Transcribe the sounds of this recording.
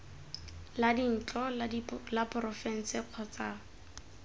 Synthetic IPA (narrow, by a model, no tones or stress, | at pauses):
ladin̩t͡ɬʼɔlapʼʊrɔfɛn̩sɪq͡χʰɔt͡saː